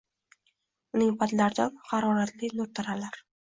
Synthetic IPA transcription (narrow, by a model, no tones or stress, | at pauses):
ʊnɪŋpʰad̪laɾd̪anhɑɾɒɾat̪lɪnʊɾt̪ʰaɾalaɾ